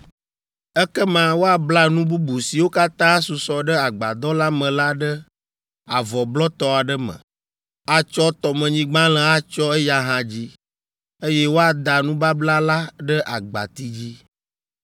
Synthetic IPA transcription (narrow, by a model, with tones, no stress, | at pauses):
ɛ˦kɛ˦mã˦wo˦a˨bla˦nũ˦bu˦bu˨si˨wo˦ka˦t̪ã˦a˦su˨sɔ˨ɖə˦a˨ɡ͡ba˨d̪ɔ˦la˦mə̃˨la˦ɖə˦ | a˨vɔ˨blɔ˦t̪ɔ˦a˨ɖə˦mə̰̃˨ | a˦t͡ʃɔ˦t̪ɔ˨mɛ̃˨ɲĩ˦ɡ͡bã˦lə̃˨a˦t͡ʃɔ˦ɛ˦ja˦ɦã˦d͡ʑi˦ | e˦jɛ˦wo˦a˨d̪a˨nũ˦ba˦bla˦la˦ɖə˦ʔa˨ɡ͡ba̰˨t̪i˦d͡ʑi˦